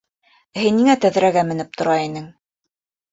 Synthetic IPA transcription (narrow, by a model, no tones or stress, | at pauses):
hɘnːiŋæt̪æð̆ɾæɡæmɘ̆nɘp̚t̪ʰŏɾɑinɘŋ